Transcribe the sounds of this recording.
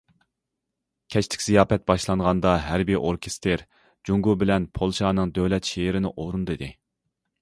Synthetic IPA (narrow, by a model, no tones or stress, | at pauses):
kʲʰɛt͡ʃt̪ʰɪ̥kʲz̥ijɑːpɛt̪̚bɑʃlˠɑɴʁɑnd̪ɑɦæɾbijʔoɾkʲʰest̪ʰeɾ | d͡ʒuŋɡubɪlɛnpʰolˠʃɑːnɨŋd̪øwlɛt̪ʃeɪɾɪnɪʔoɾund̪ɨd̪ɪ